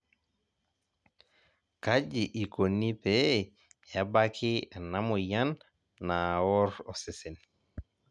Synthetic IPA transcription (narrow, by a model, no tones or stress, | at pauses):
kad͡ʒiʔikonːipɛ | jabakʰianamɔjanː | awɔɾɔsɛsɛn